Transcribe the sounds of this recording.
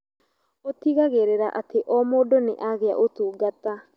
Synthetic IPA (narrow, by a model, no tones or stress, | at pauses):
otiɣaɣeɾeɾaʔateʔɔmoːdoneʔaɣea̰ʔotuːɡata